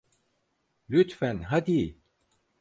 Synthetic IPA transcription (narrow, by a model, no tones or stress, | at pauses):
lyt̪fænɦad̪i